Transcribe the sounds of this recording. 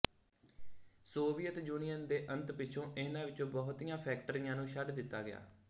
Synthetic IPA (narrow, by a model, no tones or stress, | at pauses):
soːʋijət̪juːnijənd̪eːʔənt̪pɪːt͡ʃʰõːʔɪnãːʋɪt͡ʃõːbɔːʊt̪ijãːpʰɛːk̚ʈəɾɪjãːnũːʃəɖd̪ɪt̪ːa̰ːɡɪja̰ː